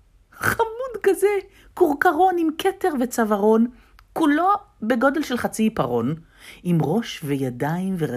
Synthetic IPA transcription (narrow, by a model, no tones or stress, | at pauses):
χamudkaze | kuʁkaʁo̞nimkʰeteʁvet͡savaʁo̞n | kulo̞ | beɡo̞de̞lʃelχat͡sipaʁo̞n | imʁo̞ʃvejadaimveʁa